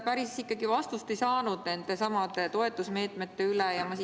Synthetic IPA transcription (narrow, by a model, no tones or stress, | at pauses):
pæɾissːikːɑɡivɑst̪ust̪e̞jsɑːnud̪̥ne̞nd̪̥esɑmɑd̪e̞t̪o̞e̞t̪ːˑusme̞ːt̪ˑmet̪ːe̞ylejɑmɑsi